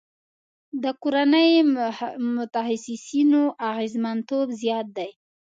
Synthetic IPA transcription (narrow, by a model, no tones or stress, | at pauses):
d̪əkoɾanəj | mʊt̪ahasɪsinoʔaɣezmant̪obzjɑt̪̚d̪aj